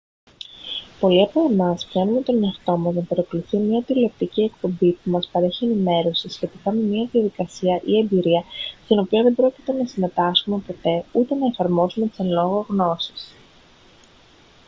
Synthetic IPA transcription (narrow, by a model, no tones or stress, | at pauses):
po̞liɐpo̞emɐspçɐnume̞t̪o̞ne̞ɐft̪o̞mɐznɐpɐɾɐko̞luθimɲɐt̪ilop̚t̪icie̞k̚po̞mbipumɐspɐɾe̞çie̞nime̞ɾo̞siset̪ikɐmemiɐðiɐðikɐsiɐʔie̞mbiɾiɐst̪ino̞pioðe̞bɾo̞ci̥t̪e̞nɐsime̞t̪ɐsume̞po̞t̪e̞ut̪e̞nɐe̞fɐɾmo̞sume̞t̪i̥senlo̞ɣoɣno̞si̥s